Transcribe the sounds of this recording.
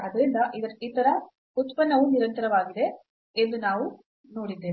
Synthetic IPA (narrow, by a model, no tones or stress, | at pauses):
ɐd̪ɐɾind̪ɐʔid̪ɐɾiːt̪ɐɾɐ | ut̪pɐnːɐʋuniɾɐnt̪ɐɾɐʋaːɡid̪e̞ | end̪unaːʋu | no̞ːɽid̪ːeː